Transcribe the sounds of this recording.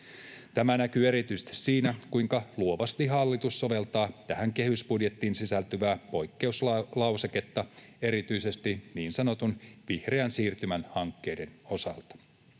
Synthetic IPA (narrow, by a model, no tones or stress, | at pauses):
t̪æmænækye̞ɾit̪yjsĕ̥t̪i̥ssiːnækujŋkɑluo̞ʋɑst̪iɦɑlːit̪usːo̞ʋe̞lt̪ɑːt̪æhæŋke̞hysbudje̞t̪ːiːnsisælt̪yʋæːpo̞jkːe̞usllɑwseke̞t̪ːɑe̞ɾit̪yise̞st̪iniːnsɑno̞t̪unʋihre̞ænsiːrt̪ymænhɑŋkːe̞jde̞no̞sɑ̰lt̪ɑ̥